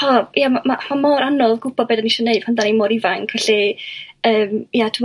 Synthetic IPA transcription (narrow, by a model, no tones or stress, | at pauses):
ɔjamamamamoːɾanɔðɡʊb̥ɔdbeːdaniʃɔneɨd̥̚pʰɔndanimɔːɾivaŋkʰvɛɬi | əːmjatʰu